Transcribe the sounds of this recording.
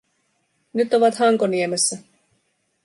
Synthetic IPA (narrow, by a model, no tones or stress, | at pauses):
nyt̪o̞ʋɑt̪hɑŋkoniemesːæ